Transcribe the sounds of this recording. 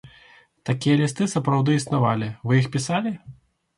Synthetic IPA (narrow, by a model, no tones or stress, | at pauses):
t̪akʲijɐlʲist̪ɨsɐpɾawd̪ɨisnavalʲivɨjixpʲisalʲi